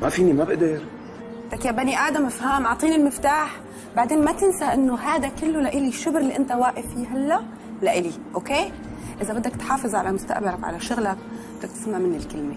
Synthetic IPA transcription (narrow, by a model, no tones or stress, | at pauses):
mafiːnimabɪʔd̪aɾ | t̪akjabaniʔaːd̪amʔɪfhaːmʔɑʕt̪ˤiːnɪlmɪft̪aːħ | baʕd̪eːnmat̪ɪnsaʔɪnːoɦaːd̪akɪlːulaʔɪliʃʊbɾɪlːiʔɪnt̪awaːʔɪfiːɦalːa | laʔɪliʔoːkeː | ʔɪzabɪd̪ːakt̪ħɑːfɨzˤʕalamʊst̪a̰ʔbalakʕa̰laʃʊɣlak̚bɪd̪ːak̚t̪ɪ̥smaʕmɪnːɪlkɪlme